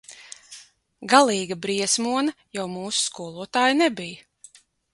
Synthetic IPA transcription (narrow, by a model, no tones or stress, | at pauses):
ɡalˠiːɡabɾiɛsmuɔnɐ | jawmuːsu̥skuɔlˠuɔt̪aːjnɛbij